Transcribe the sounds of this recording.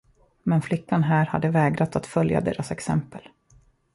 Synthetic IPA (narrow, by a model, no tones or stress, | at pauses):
mɛnflɪkʰːanɦæːɾhad̪ːəvɛːɡɾat̪at̪fœlja̰d̪ḛːɾʔasɛksɛ̰mpəl